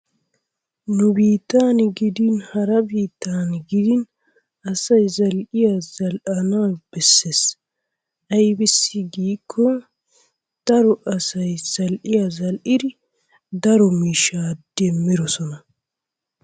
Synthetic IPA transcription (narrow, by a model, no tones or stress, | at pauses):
nʊbiːt̪ːaːnɪɡɪd̪ɪnhɐɾɐbiːt̪ːaːnɡɪd̪ɪn | ʔɐsɐjzɐlʔɪjazɐlʔɐnaːb̥ɛsːes | ʔɐjbɪsːɪɡiːkʰːɔ | d̪̥ɐɾɔʔɐsɐjz̥ɐlʔɪjazɐlʔɪd̪ɪ | d̪ɐɾɔmiːʃaːd̪̥ːɛmːɪɾɔsɔnɐ